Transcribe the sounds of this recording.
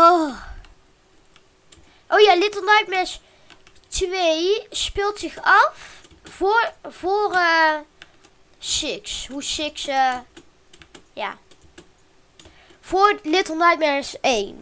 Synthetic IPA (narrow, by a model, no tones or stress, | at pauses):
o | ʔoːjaːlɪtəlˠnɑjt̚mɛs | tʋejspɪlˠtsɪxɑf | vʊːrə | sɪksɦusɪksə | ja̰ː | v̥ʊːlɪtəl̩ˠnɑjtmɛsejn